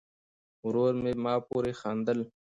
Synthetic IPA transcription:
ʊɾoːɾmeːmaːpuːɾeːxaːnd̪əl

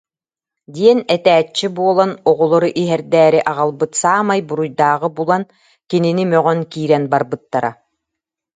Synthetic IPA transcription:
d̪iɛnɛt̪æːt͡ɕːibuɔlˠanɔʁɔlˠɔɾuʔiɦɛɾd̪æːɾiʔaʁalˠbɯt̪saːmajbuɾujd̪aːʁɯbulˠan | kininimœʁœnkiːɾɛnbaɾbɯt̪ːaɾa

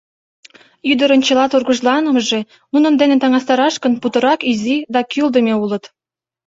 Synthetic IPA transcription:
yd̪əɾə̆nt͡ɕɤ̆lɑt̪urɣə̆ʒlɑnə̆məʒe | nunə̆nd̪enet̪ɑŋɑst̪ɑɾɑʃkənput̪ɤ̆ɾɑkizid̪ɑkyld̪əmʲeulə̆t̪

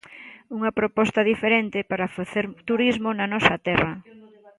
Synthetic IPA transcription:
uŋɐpɾopɔst̪ɐðifeɾent̪ɪpaɾafaθeɾt̪uɾizmonɐnɔsɐt̪ɛrɐ

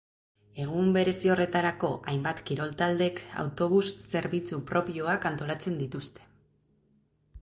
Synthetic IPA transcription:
e̞ɣ̞umbe̞ɾe̞sio̞re̞t̪aɾako̞ʔajmbat̪kiɾo̞lt̪ald̪e̞ka̰wt̪o̞β̞usːe̞ɾβit͡supɾo̞pio̞akant̪o̞lat͡se̞nd̪it̪ust̪e̞̥

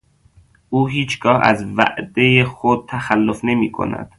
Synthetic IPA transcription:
ʔuːɦiːt͡ʃʰɡɒːhæ̰zvæ̰ʔd̪ejexod̪̥̚t̪ʰæxælːofne̞miːkʰo̰næ̰d̪̥

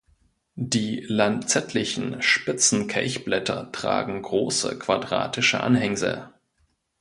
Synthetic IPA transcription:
diːlantt͡sɛtʰlɪçn̩ʃpɪt͡sn̩kʰɛ̰ɪçb̥lɛtʰɐtʁ̥a̰ːɡŋ̩ɡʁoːsə̰kv̥adʁa̰ːtʰɪʃə̰ʔa̰nɦɛŋzə̰

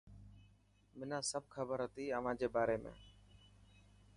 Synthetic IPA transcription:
mɪnãːsəb̚ʱkʰəbəɾɦət̪iːəʋãːd͡ʒeːbaːɾeːmḛ̃ː

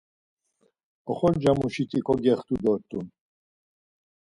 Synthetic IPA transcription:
ɔχɔɾd͡ʒamuʃit̪ʰʼikʼɔɡɛχt̪ʰʼud̪ɔɾt̪ʼun

